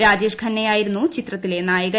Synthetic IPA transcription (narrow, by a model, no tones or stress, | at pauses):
ɾaːd͡ʑeːʂkʰɐnːɐjaːjiɾunːut͡ɕit̪rɐt̪ːile̞naːjɐɣɐ